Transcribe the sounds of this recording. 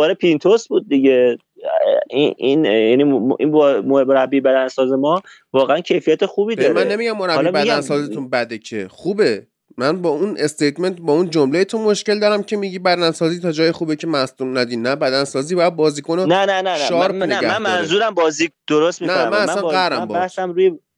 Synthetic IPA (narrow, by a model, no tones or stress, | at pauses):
bɒːɾepʰint̪ʰosbuːd̪̚ːiɟe | iinjæniʔḭnmooɾæbːibæd̪ænsɒːzemɒːvɒːɣeæncʰe̞jfijæt̪exuːbiːd̪mænnːemiɟæmːo̞ɾæblibæænsɒːzet̪ʰunbæd̪ecʰḛχuːbe̞ | mænbɒːunʔe̞st̪ejt̪me̞nt̪bɒːund͡ʒomlejet̪ʰomoʃce̞ld̪ɒːɾæmcʰemiɟiːbæd̪ænsɒːziːt̪ʰɒːd͡ʒɒːjexuːbecʰe̞mæsd̪unæd̪inːæbæd̪ænsɒːziːbɒjæd̪̚bɒːziːkʰononænænænʃʃɒːɾpneæænmænzuːɾæmbɒːziːd̪̥oɾost̪minæmænnæssænɡæɾæmbɔbæhsæmɾuːje